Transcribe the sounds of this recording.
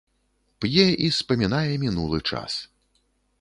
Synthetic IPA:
pjɛʔispɐmʲinajɛmʲinulˠɨt͡ʂa̰s

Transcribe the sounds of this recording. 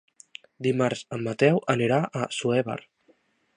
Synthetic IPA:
d̪imaɾzamːat̪ɛwaneɾaʔasueβa̰ɾ

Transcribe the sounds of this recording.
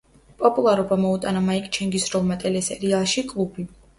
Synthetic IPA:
pʼɔpʼulˠaɾɔbamɔut̪ʼanamaikʼt͡ʃʰɛŋɡisɾɔlˠmat̪ʼɛlɛsɛɾialˠʃikʼlˠubi

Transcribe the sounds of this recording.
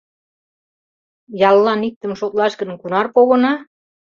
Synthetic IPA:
jɑlːɑnik̚t̪ə̆mʃot̪lɑʃɡə̆nkunɑrpoɣɤ̆nɑ

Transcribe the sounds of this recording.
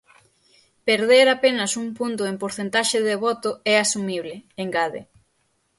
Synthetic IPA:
peɾðeɾapenɐsuŋpunt̪̬ʊempoɾθent̪aʃɪðeβɔt̪ʊɛasumiβlɪeŋɡaðḛ

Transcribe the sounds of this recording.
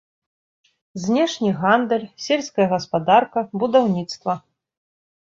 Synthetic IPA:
zʲnʲɛʂnʲiɣand̪ɛlʲsʲelʲskɐjɐɣɐspad̪arkɐbud̪awnʲit̪st̪vɐ

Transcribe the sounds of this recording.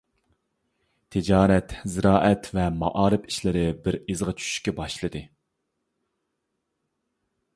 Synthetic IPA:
t̪ʰɪd͡ʒɑːɾɛt̪zɪɾɑːʔɛt̪vɛmɑ̰ʔɑːɾɨpiʃlɪɾɪbɪɾizʁɑt͡ʃʰy̥ʃy̥ʃkʲɛbɑʃlˠɨd̪ɨ

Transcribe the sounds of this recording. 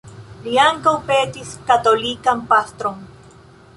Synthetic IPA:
liaŋkawpe̞tiskat̪o̞likampast̪ɾon

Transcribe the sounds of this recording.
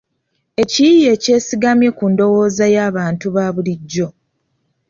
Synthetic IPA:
e̞ciije̞ːce̞ːsiɡamje̞kundo̞wo̞ːzajaːβaːntuβaːβuliɟːo̞

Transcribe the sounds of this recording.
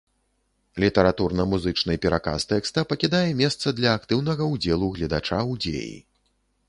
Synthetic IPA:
lʲit̪ɐɾat̪urnɐmuzɨt͡ʂnɨjpʲɛɾaka̰st̪ɛkst̪ɐpɐkʲid̪ajɛmʲɛst̪sɐd̪lʲɐːkt̪ɨwnɐɣɐwd͡zʲelˠuɣlʲɐd̪at͡ʂaud͡zʲḛjḭ

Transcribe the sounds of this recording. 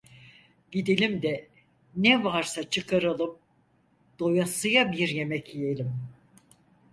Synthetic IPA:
ɟid̪elʲimd̪ɛ | nɛvaɾsat͡ʃʰɯkʰaɾɯlˠɯm | d̪̥o̞jasɯjabiɾje̞mɛcʰijelʲim

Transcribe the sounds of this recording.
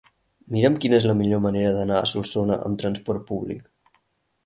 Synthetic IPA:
miɾəmkinəezləmiʎoməneɾəðənaə̰sulˠsonəʔə̰mt̪ɾənspɔrt̪̚puβlḭk

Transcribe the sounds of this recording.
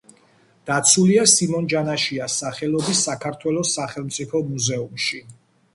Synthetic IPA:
d̪̥at̪sʰuliasimɔnd͡ʒanaʃiasaχɛlˠɔbisːakʰaɾt̪ʰwɛlɔsːaχɛlˠmt̪sʼipʰɔmuzɛumʃi

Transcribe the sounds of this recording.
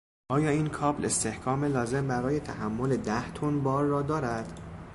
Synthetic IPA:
ʔɒːjɒːiːnkʰɒːble̞st̪e̞hkʰɒːme̞lɒːze̞mbæɾɒːje̞t̪ʰæhæmːo̞le̞d̪æht̪ʰonbɒːɾːɒːd̪ɒːɾæd̪̥

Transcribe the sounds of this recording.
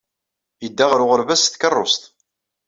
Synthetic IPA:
jəd̪ːaʁɾʊʁəɾvæsθkərˤːost̪

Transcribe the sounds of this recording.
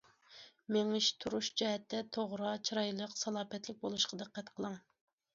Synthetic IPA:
meŋɪʃt̪ʰuɾuʃd͡ʒɛɦɛt̪ːɛt̪ʰoʁɾɑt͡ʃʰiɾɑjlˠəqsɑlˠɑːpɛt̪lɪk̚ʲbolˠuʃqʰɑd̪ɨqːæt̪qʰəlˠɨŋ

